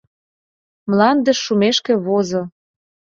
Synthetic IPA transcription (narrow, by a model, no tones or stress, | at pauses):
mlɑnd̪ə̆ʃːumeʃkĕβozo